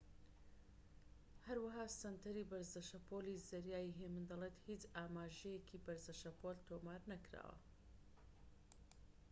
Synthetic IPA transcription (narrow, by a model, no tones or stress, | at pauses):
hɐɾwɐɦaːsɐnt̪ʰɐɾibɐɾzɐʃɐpʰoliːzɐɾjaːjiɦemɨnd̪ɐleːt̪hit͡ʃaːmaːʒɛjekʰiːbɐɾzɐʃɐpʰolt̪ʰoːmaːɾnɐkɾa̰ːwɐ̰